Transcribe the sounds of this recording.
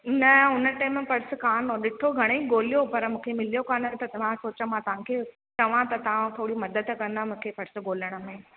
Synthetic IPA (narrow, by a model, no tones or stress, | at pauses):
nɐʊnəʈɐːmẽpɐɽs̆kaːnoɗɪʈʰoɡʱɐɽ̃eiɠoːlijopɐɾmũːkʰemɪlijokaːnət̪ɐt̪ɐʋãsoːt͡ɕəmãːt̪ɐʋ̤ãkʰe | t͡ɕɐʋãt̪ɐt̪ɐʋãt̪ʰoːɽimɐd̪əd̪kɐ̃nd̪amũːkʰepɐɽsɡoːləɽ̃ə̆mẽ